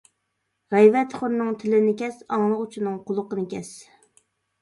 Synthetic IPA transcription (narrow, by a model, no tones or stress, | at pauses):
ʁɛjvɛt̪χʊɾnɨŋt̪ʰɪlɪnɪkʲɛsɑŋlˠəqut͡ʃʰinɨŋqʰʊlˠʊqənɪkʲʰɛs